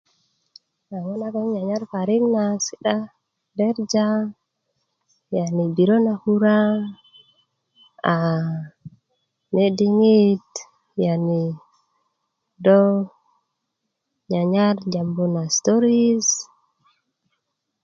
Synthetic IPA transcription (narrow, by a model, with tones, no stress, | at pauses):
a˨ŋo˦na˦ɡo˦ŋɲa˨ɲa˦ɾfa˨ɾi˦kna˨si̥˦ɗa˦ | be˦ɾd͡ʒa˦ | ja˨ni˨bi˨ɾo˦na˨hu˦ɾa˦ | a˨ | ne˦di˦ŋi˦t | ja˨ni˨ | do˦ | ɲa˨ɲa˦ɾd͡ʒa˨mbo˦na˨st̪o˦ɾi˦s